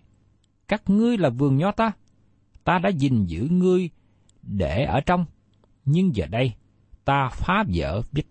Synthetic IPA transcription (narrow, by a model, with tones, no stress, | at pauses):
kaː˦˥k̚ŋɨ˧əjlaː˨˩vɨ˨˩əŋɲɔ˨˧˦t̪aː˧ | t̪aː˧ɗa̰ː˧˥zi˨˩ŋzɨ̰˧˥ŋɨ˧əj | ɗe˧˩ʔəː˧˩t͡ɕɔ˧wŋ͡m | ɲɨ˧ŋzəː˨˩ɗə˧j | t̪aː˧faː˨˦zə̰ː˧˨vi˦˥t̚